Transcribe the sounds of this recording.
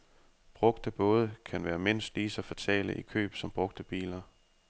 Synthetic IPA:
b̥ʁɔ̽ɡ̥d̥əb̥ɔ̽ːð̞ˠəkʰænʋæːɐme̝n̰sd̥liːsɑfɒt͡sʰɛ̰ːlə̰ʔikʰø̰ːb̥sɒ̽mb̥ʁɔ̽ɡ̥̚d̥əb̥ḭːlɐ

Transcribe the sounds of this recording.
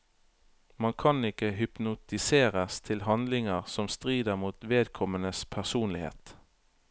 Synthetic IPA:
mɑnkʰɑnɪkəɦʏpnʊt̪ɪseːʁəst̪ʰɪlhɑnd̪lɪŋəʁsɔmst̪ʁiːd̪əʁmuːt̪ʋeːd̪kʰɔmənəspʰæʁsuːnlɪhḛːt̪

